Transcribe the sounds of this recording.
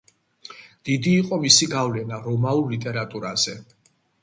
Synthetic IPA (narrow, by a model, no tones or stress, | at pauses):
d̪̥id̪iːqʼɔmisiɡavlɛnaɾɔmaluɾlit̪ʼɛɾat̪ʼuɾaz̥ɛ